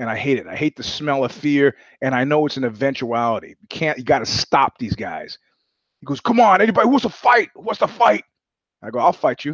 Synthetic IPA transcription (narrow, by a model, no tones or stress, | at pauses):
ɨ̃naɪɦeɪɾɨɾaɪheɪt̪̚ðɨsmɛlˠʌv̥fɪɹ | ɨ̃ñaɪnoʊɨtsn̩ɨvɛ̃nt͡ʃuælˠəɾḭjɨkʰæ̃njɨɡɑɾɨstɑp̚ðizɡaɪz̥ | hiɡoʊz̥kʰʌ̃mə̃nɛnibɑɾihuwʌzðəfaɪt̚huwʌtsðəfaɪt̚ | aɪɡoʊaɪlˠfaɪt͡ʃɨ